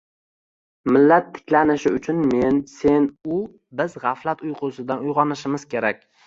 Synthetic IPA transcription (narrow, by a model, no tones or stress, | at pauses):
mɪlːat̪ʰːɪ̥kʲlanɪʃɪʊt͡ʃʰʊnme̞nse̞nʊ | bɪzʁɑflat̪ʊjqʰʊsɪd̪anʊjʁɒnɪʃɪmɪz̥kʲe̞ɾak̚ʲ